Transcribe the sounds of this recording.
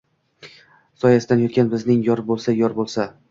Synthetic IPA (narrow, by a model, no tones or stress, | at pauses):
sɒjasɪd̪anjɒt̪kʲanbɪznɪŋjɒɾbolˠsajɒɾbolˠsa